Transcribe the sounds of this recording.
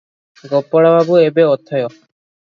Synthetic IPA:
ɡopːɔɽabʱabuebeɔt̪ʰːɔjɔ

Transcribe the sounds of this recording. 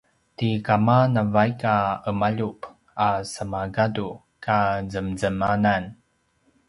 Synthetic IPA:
tikamanavajkaəmaʎup | asəmaɡadu | kazəmzəmanan

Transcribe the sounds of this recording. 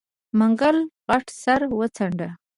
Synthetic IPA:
maŋɡalɣaʈsaɾwət͡saɳɖa

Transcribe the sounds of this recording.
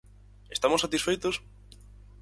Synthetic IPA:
est̪amosat̪isfejt̪os

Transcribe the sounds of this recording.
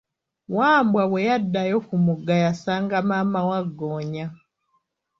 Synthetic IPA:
waːmbwawɛjadajɔkumuɡajasaŋɡamamawaɡɔɲa

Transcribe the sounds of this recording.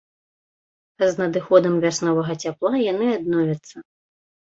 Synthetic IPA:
znɐd̪ɨxɔd̪ɐmvʲasnɔvɐɣɐt͡sʲaplˠajanɨad̪̚nɔvʲɐt̪sːɐ

